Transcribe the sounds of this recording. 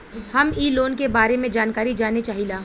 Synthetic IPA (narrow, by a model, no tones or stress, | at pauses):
hɐmiːloːnkebaːɾemẽd͡ʒaːnkaːɾid͡ʒaːnet͡ʃaːɦilaː